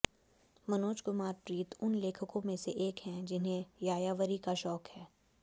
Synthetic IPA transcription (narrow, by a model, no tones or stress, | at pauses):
mɐnoːt͡ʃkʊmaːɾpɾiːt̪ʊnleːkʰəkõmẽseʔeːkɦɛ̃d͡ʒɪnɦẽjaːjaːʋəɾikaʃɔːkhɛː